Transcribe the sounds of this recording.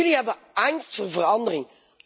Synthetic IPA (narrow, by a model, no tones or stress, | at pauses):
ɪliɦɛbə | ɛnstfoːvəɾɑndəʁɪŋ